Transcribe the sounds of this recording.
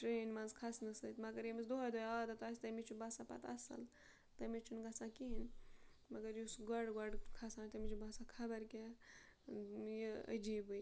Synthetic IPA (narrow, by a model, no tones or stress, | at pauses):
ʈɾeːnmɐ̃nzkʰasnɐsɐt̪mɐɡɐɾjemisd̪oɦɐd̪ojaːd̪ɐt̪aːst̪ɐmit͡ʃʰubaːsapɐ̰t̪ɐsɐ̰l | t̪ɐmit͡ʃʰunɡɐsakiɦin | mɐɡɐɾjusɡɐɖɡɐɖkʰasaːnt̪ɐmit͡ʃʰubaːsakʰɐbɐɾkʲa | jiɐ̰d͡ʒiːbɨj